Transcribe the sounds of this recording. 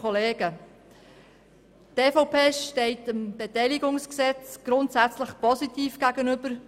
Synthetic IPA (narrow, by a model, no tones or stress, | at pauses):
ɔleːɡ̥ə | teːfoʊpʰeːʃtɛɪtəmb̥etɛɪliɡʊŋsksɛt͡sɡ̥ɾʊntsæt͡sləχpɔsitiːfɡ̥æɡənʏb̥əɾ